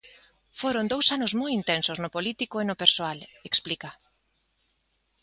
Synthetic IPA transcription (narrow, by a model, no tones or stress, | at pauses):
foɾond̪owsanʊzmojint̪ensoznʊpolit̪ikoenʊpeɾsoaleksplika